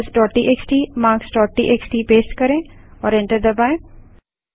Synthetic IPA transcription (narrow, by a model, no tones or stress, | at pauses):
sʈɔːʈiʔeksʈiːmaːɾksɖɔːʈːiʔeksʈiːpeːsʈkɐɾẽɔːɾɛ̃ɳʈəɾd̪ɐbaːẽ